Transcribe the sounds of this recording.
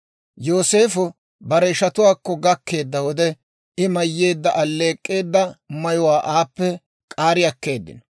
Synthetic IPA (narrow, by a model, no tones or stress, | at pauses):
jo̞ːse̞ːfʊ | bɐɾɛɪʃɐt̪ʊwaːkːɔɡɐkːe̞ːd̪ːɐwɔd̪ɛ | ɪmɐjːe̞ːd̪ːɐʔɐlːe̞ːkʼːe̞ːd̪ːɐmɐjʊwaːʔaːpːɛ | kʼaːɾɪjɐkːe̞ːd̪ːɪ̰nɔ